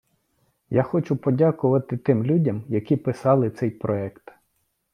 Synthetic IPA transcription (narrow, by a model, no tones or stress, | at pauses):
jaxɔt͡ʃʊpɔdʲakʊʋɐt̪ɪt̪ɪmlʲudʲɐmjɐkʲipɪsɑlˠɪt̪sɛjpɾɔɛkt̪